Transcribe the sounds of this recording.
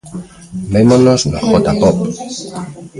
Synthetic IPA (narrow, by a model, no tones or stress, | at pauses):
memonosnoxot̪apop